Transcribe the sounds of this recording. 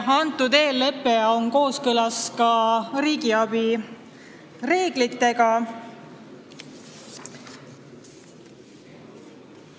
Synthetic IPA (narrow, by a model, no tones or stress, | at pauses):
ɑnt̪ːˑud̪e̞ːlːe̞pːe̞o̞ŋko̞ːskɯlɑskɑɾiːɡiɑbi | re̞ːɡ̥lit̪ːe̞ɡ̥ɑ